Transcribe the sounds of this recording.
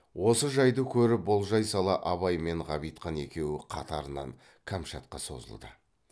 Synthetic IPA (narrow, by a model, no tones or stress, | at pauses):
wʔo̞səʒɑjd̪əkʲʰɵɾɪbolˠʒɑjsɑlˠɑʔɑβɑjme̞ɴʁɑβijt̪qɑne̞kʲe̞wɪqʰɑt̪ɑɾənɑ̰ŋ | kʰamʃat̪̚qɑ̰so̞̰zə̰lˠd̪ə̰